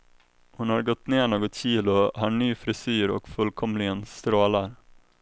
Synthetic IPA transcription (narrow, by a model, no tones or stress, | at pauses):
hʊnhaɾɡɔt̪ːneːɳoːɡɔt̪ɕiːlʊhaɳyːfɾɪsyːɾɔ̰kfɵlkʰɔmlɪɡənst̪ɾoːlaɾ